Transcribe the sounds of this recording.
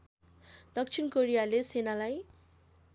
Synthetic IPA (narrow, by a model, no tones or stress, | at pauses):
d̪ʌk̚t͡sʰinkoɾijalesenalaj